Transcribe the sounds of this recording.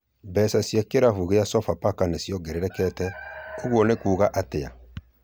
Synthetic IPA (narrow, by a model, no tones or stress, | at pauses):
bɛsasjakeɾafuɣejasɔfapakanesjɔɡɛɾɛɾɛkɛtɛoɣwɔnekuːɣaʔatea̰